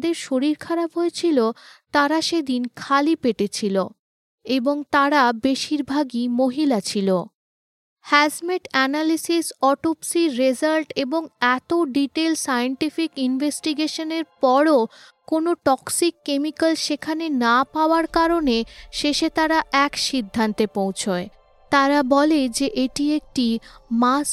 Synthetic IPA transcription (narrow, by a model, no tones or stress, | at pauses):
d̪eɾʃoɾiɾkʰaɾabɦojet͡ɕʰilot̪aɾaʃed̪inkʰalipeʈet͡ɕʰilo | eboŋt̪aɾabeʃiɾbʱaɡimoɦilat͡ɕʰilo | hɛd͡ʑmeʈɛnalisisɔʈopsiɾed͡ʑalʈeboŋɛt̪oɖiʈelsajeɳʈifikinbʱesʈiɡeʃoneɾpɔɾokonoʈɔksikːemikalʃekʰanenapaoaɾkaɾoneʃeʃet̪aɾaʔɛkʃid̪ʱːant̪epowt͡ɕʰoe | t̪aɾabɔled͡ʑeʔeʈiek̚ʈimas